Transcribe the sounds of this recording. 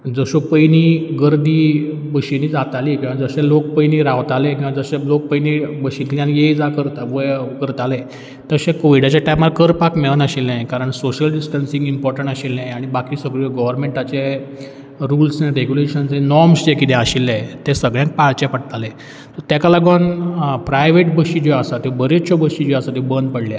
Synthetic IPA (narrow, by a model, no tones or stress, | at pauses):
d͡zəɕopəjniːɡəɾd̪iː | bəɕiniːd͡zat̪alikiʋãd͡zəɕɛ̃lok̚pəjniːɾaʋt̪alẽkĩw̃ʋad͡zəɕẽlok̚pəjnibəɕilt̪iãnjed͡zakəɾt̪aʋojkəɾt̪alɛ | t̪əɕɛ̃koʋiɽat͡ɕaʈajmalkəɾpakmeɭənəɕilːẽkaɾəɳsoɕəlɖisʈənsĩŋɡimpɔɾʈəɳʈaɕilːɛ̃aɽ̃ibakiːsəɡɭɔɡəʋəɾmeɳʈat͡ɕe | ɾuːlsnẽɾeɡjuleɕənsẽnɔɾmsd͡ʑekit̪ɛ̃aɕilːẽt̪esəɡɭjãŋk̚paɭt͡ɕɛpəɽt̪alẽ | t̪əɾt̪akalaɡɔnpɾajʋeʈbəɕid͡ʑɔasat̪ebəɾet͡ɕɔbəɕid͡ʑɔasat̪ebənd̪pəɽlja